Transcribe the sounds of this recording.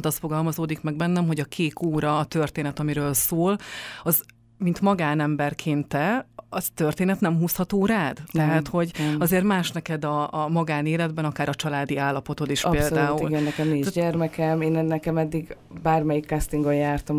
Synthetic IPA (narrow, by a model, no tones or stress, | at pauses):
nt̪ɒst̪foɡɒlmɒzoːd̪ikmɛɡ̚bɛnːɛmɦo̞ɟɒkʰeːkʰoːɾɒːt̪ørt̪eːnɛt̪ɒmiɾøːlsoːlɒz | mint̪mɒɡaːnɛmbɛrkʰeːnt̪ːɛɒzt̪ørt̪eːnɛt̪nɛmɦuːshɒt̪oːɾaːd̪ɛɦaːt̪ho̞ɟɒzeːrt̪maːʃnɛkɛd̪ɒːmɒɡaːneːlɛd̪bɛnɒkaːɾɒt͡ʃɒlaːd̪iaːlːɒpo̞t̪o̞t̪iʃpeːld̪aːuilɡɛnːɛkɛminiɟɛrmɛkɛmeːnɛnːɛkɛmɛd̪ːiɡ | baːrmɛjikːast̪iŋɡojjaːrt̪om